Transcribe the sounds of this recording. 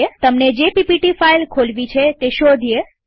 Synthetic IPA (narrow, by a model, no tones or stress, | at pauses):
et̪əmned͡ʒepipiʈifailkʰolʋit͡ʃʰet̪eʃod̪ʱije